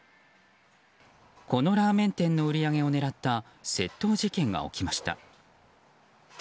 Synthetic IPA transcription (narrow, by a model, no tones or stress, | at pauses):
ko̞no̞ɾaːmẽ̞nt̪ẽ̞nːo̞ɯ̟ɾʲiaɡe̞o̞ne̞ɾat̪ːa | se̞t̪ːo̞ːʑikẽ̞ŋɡa̰o̞̰kʲimaɕi̥t̪a̰